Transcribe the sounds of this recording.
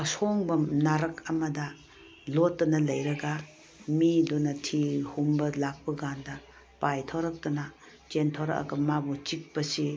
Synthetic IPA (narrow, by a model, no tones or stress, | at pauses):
ɐsoŋbɐnaɾɐkɐmɐdɐ | lotːɐnɐlɐjɾɐɡɐ | midonɐtʰihumbɐlak̚pɐɡandɐ | pajtʰawɾɐk̚tɐnɐ | t͡ʃentʰawɾɐ̰kɐ̰kɐmabut͡ʃik̚pɐsi